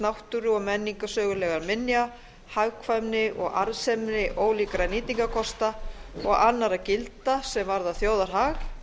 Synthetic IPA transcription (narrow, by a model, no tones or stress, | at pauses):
nawht̪ʏɾʏɔɣmɛnːiŋkasœːɣʏlɛːɣaɾmɪnja | haɣkʰvamnɪʔɔ̰ɣa̰ɾsɛmnɪʔoːwliːkɾaniːt̪iŋkakʰɔst̪aɔɣanːaɾacɪlt̪asɛmvaɾðaθjoːwðaɾ̥ɦax